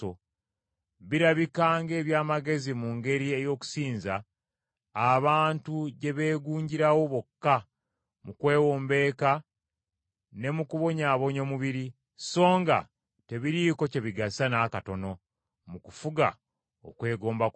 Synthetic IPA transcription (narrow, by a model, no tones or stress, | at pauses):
o | βiɾaβikaːŋɡe̞ːβjaːmaɡe̞zimuŋɡe̞ɾie̞jo̞ːku̥siːnzaː | βaːntuɟe̞βe̞ːɡuːɲɟiɾawo̞βo̞kːa | mukwe̞ːwoːmbe̞ːka | ne̞mukuβo̞ɲaːβo̞ɲo̞ːmuβiɾi | so̞ːŋɡa̰ | te̞βiɾiːko̞ce̞βiɡasanaːkato̞no̞ | mukufuɡa̰ | o̰kwe̞ːɡo̞ːmba